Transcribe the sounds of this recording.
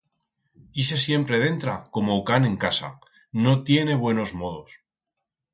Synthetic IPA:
is̬e̞sje̞mpɾe̞ð̞e̞nt̪ɾako̞moːkanẽ̞ŋkasa̰ | no̞t̪je̞ne̞β̞we̞no̞zmo̞ð̞o̞s

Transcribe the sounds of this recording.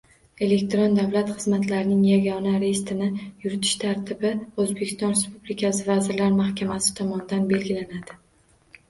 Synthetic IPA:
e̞le̞kʲt̪ɾond̪avlat̪χɨzmat̪ʰlaɾnɪŋjaɡʲɒnaɾest̪ɪnɪjʊɾɪt̪ʰɪ̥ʃt̪ʰaɾt̪ʰɪbɪozbe̞kʲɪ̥st̪ɒnɾe̞spublɪkʲʰasɪvazɪɾlaɾmahkʲʰamasɪ̥t̪ʰɒmɒnd̪anbe̞lɡʲɪlanad̪ɪ

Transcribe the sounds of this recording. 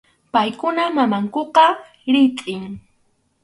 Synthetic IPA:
pajkʊnamamaŋkoqɑ | ɾɪt̪ʼɪŋ

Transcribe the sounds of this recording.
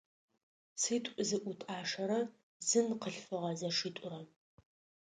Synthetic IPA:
siːtʷʼzɨʔʷʊtʼaːʂɐɾɐ | zɨnqəɬfɨʁɐzɐʂiːtʷʼʊrɐ

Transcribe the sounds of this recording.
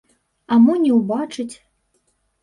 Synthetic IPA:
amunʲɛwbat͡ʂɨt͡sʲ

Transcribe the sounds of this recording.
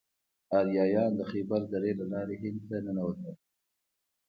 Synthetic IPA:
ɑljɑːjɑːnd̪əxibald̪aɾelalɑːɾeɦɪnd̪t̪anənawət̪a

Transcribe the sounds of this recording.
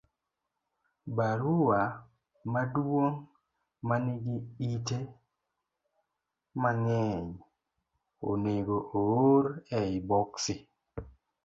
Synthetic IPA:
baɾuwa | madwoŋ | manɪɡiite | maŋɛɲ | o̰neɡoʔooɾɛibɔksi

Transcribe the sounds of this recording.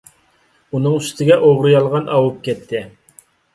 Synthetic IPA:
unɨŋyst̪ʰɪɡʲɛʔoʁɾɨjɑlˠʁɑnɑwup̚kʲɛt̪ʰːɪ

